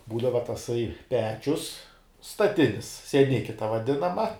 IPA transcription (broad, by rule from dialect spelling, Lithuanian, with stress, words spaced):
ˈbuːdɐʋɐ tɐˈsɐɪ ˈpʲæːt͡ʃʲʊs stɐˈtʲɪnʲɪs sʲiɛˈnʲɪkʲɪ tɐ ʋɐˈdʲɪnɐmɐ